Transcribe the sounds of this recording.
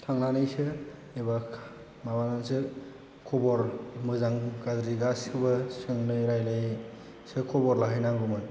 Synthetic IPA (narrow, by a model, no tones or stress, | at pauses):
tʰaŋnanɯjsɯ | eba | mabanansɯ | kʰɔbɔɾmɯzaŋkadɾiɡasɯbɯsɯŋnɯjɾajlɯj | sɯkʰɔbɔɾlaɦɯjnaŋɡumɯn